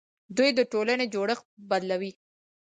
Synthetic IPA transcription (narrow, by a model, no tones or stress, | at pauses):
d̪ujd̪əʈolaned͡ʒoɽəxbad̪lawi